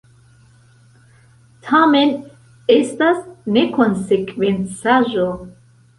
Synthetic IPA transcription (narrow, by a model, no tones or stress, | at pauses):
t̪ʰamɛn | ɛst̪asnekʰɔnsekʰʼvɛnt͡sʰaʒo